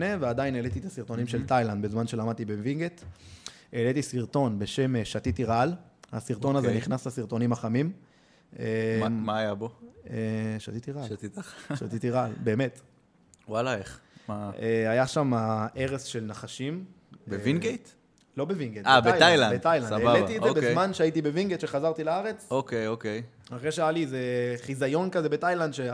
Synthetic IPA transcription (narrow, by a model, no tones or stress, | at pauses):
nevead̪ajinelet̪it̪asiʁt̪o̞nimʃelt̪ajland̪̚bezmanʃe̞lamad̪̚t̪ibevinɡet̪ | elet̪isiʁt̪o̞nbe̞ʃe̞mʃat̪it̪iʁalha̰siʁt̪o̞nazeniχnaslasiʁt̪o̞nimaχamim | emaːjaboeʃat̪it̪iʁalt̪it̪aʃa̰t̪it̪iʁalbe̞ːme̞t̪ | walaeχmaeajaʃamaʔe̞ʁesʃe̞lnaχaʃim | bevinɡejt̪ | lo̞bevinɡejtab̪teajajlanbed̪tajlansabaletizebezmanʃeait̪ibeviŋɡet̪ʃeχazaʁt̪ilaaʁe̞t͡sokejokej | haʁeʃeajalizeχizajo̞nkazebet̪ajland̪ʃe